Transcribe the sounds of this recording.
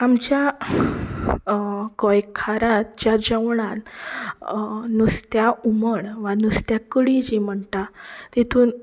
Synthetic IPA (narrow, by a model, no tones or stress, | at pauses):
amt͡ɕja | kɔjkʰaɾãt̪t͡ɕjad͡ʑəʋɳan | nust̪jauməɳʋanust̪jakəɽid͡ʑim̤əɳtat̪it̪ʰuːn